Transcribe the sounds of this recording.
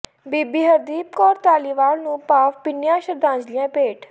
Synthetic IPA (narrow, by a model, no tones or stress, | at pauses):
biːbiːɦəd̪iːp̚kɔːɾt̪aːliːʋaːɾnũːpaːfpɪnjãːʃəɾd̪ãːd͡ʒlɪjãːpeːʈ